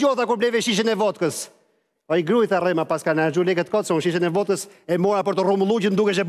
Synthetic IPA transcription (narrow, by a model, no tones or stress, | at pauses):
ɔθakuɾblɛvɛʃiʃ̬ənɛvɔt̪kəs | ɔiɡɾuiθarɛmapaskanaɾd͡ʒulɛkət̪kɔt̪sunʃiʃ̬ənɛvɔt̪kəsɛmɔɾapəɾt̪əruməlˠud͡ʑənd̪ukɛʃɛb